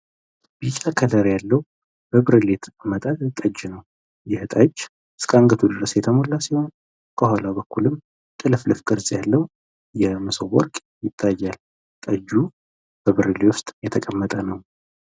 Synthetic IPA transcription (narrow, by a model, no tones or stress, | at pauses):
bit͡ʃʼakʰələɾjalːəw | b̥əβɨɾɨlet̪mət̪ʼat̪t̪ʼəd͡ʒnəw | jɛhɨt̪ʼad͡ʒ | skʼaŋɡət̪ʰud̪ɨɾəsjɛt̪ʰəmolːasiho̞n | kʰəɦʷalabəkːulɨm | t̪ʼɨlɨflɨfkʼɨɾzjalːəw | jɛmɨsowɔ̰ɾkʼ | jɪt̪ʰːajːal | t̪ʼəd͡ʒu | b̥əβɨɾɨlewʊst̪ʼjɛt̪ʰəkʼəmːət̪ʼənəw